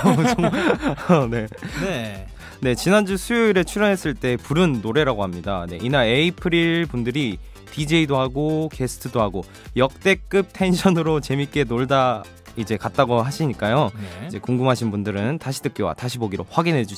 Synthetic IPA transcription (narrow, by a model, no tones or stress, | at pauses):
o | ne̞ | ne̞t͡ɕinand͡ʑusʰujoiɾe̞t͡ɕʰuɾjʌnɦe̞s͈ɯɭt͈e̞puɾɯnːoɾe̞ɾaɡoɦamɲidane̞̰ʔinaɭeipʰɯɾiɭpundɯɾi | pid͡ʑe̞idoɦaɡokʰe̞sʰɯ̥tʰɯdoɦaɡo | jʌk̚t͈e̞k͈ɯp̚tʰe̞nɕʰʌnɯɾot͡ɕe̞mik͈e̞noɭda | id͡ʑe̞kat̚t͈aɡoɦaɕʰiɲik͈ajoid͡ʑe̞koŋɡumɦaɕʰinbundɯɾɯntaɕʰidɯk̚k͈jowa̰taɕʰiboɡiɾoɸwaɡinɦe̞d͡ʑu